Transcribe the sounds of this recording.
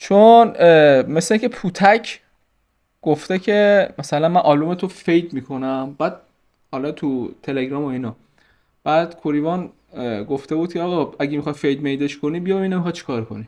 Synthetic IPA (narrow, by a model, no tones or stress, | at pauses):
t͡ʃʰonme̞sleĩŋcʰe̞pʰuːt̪ʰæcʰ | ɡ̥oft̪e̞cʰemæsælænmænʔɒːlumet̪ʰofejd̪miːkʰo̞næmb̥æːd̪̥̚ | hɒlɒt̪ʰut̪ʰe̞leɡɾɒːmoinɒ | b̥æːd̪̥kʰoɾivɒn | ɡoft̪e̞buːd̪̚kʰeɒːɣɒæɡemixɒjfejd̪̚mejd̪e̞ʃkʰoniːbijɒminemixɒj̪̚t͡ʃʰi̥kʰɒːɾkʰo̞̰ni